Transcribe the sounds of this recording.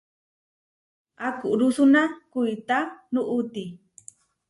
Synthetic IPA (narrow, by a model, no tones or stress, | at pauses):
akuʔɾusunakujt̪anuʔut̪i